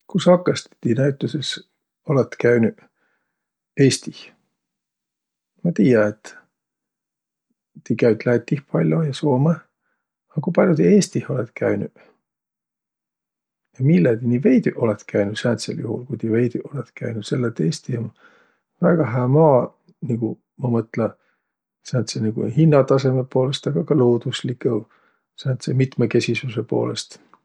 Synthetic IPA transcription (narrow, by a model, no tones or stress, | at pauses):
kusɑkːˑɑst̪t̪ːinæyt̪ːˑuses | o̞let̪ːkæɥny | eːst̪ih | mɑt̪iːjɑet̪ | ikæyt̪læjt̪ːihpɑlʲjo̞jɑsoːme | ɑkupɑlʲjot̪ieːst̪iho̞let̪kʰæynṵ | jɑmilːɑd̪iniːve̞jd̪yʔo̞let̪kʰæjnu̥sænt̪sḛljuhṵlkujt̪ive̞jd̪yʔo̞let̪kʰæ̰jnud̥̪se̞lːet̪ːe̞ːst̪ihon | væɡ̥ɑɦæːmɑː | niɡ̥u | mɑmɤt̪lɑ | sænt̪seniɡ̥ṵhinːɑt̪ɑse̞mepoːle̞st̪ɑɡ̥ɑkɑloːd̪usliko | sænt̪semit̪meke̞sʲisusepo̞̰ːlest̪